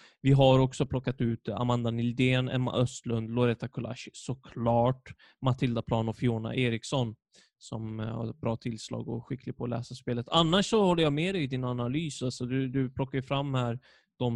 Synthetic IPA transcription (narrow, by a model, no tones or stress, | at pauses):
vɪɦaɾɔksɔpʰlɔkːat̪ʉ̟ːt̪a̰mand̪anɪld̪eːnɛ̰mːa̰ʔœst̪lɵnd̪lɔɾeːt̪akʰʊla̰ʂsɔkʰlɑːʈ | mat̪ʰɪld̪apʰlɑːnɔfjoːna̰ʔeːɾɪksɔn | sɔmha̰ɾɛt̪̚bɾɑːt̪ʰɪlslɑ̰ːɡɔ̰ɧɪkʰːlɪpʰɔlɛ̰ːsaspeːlət̪ʰanːaʂːɔhɔlːəjameːd̪ɛd̪ɪnanalyːsalsɔd̪ɵd̪ɵpʰlɔkːajɵfɾamːhæːɾ | d̪̥ɔm